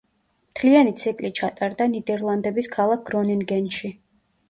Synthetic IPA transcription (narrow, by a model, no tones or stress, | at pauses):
mt̪ʰlianit̪sʰikʼlit͡ʃʰat̪ʼaɾd̪anid̪ɛɾlˠand̪ɛbiskʰalˠak̚ɡɾɔninɡɛnʃi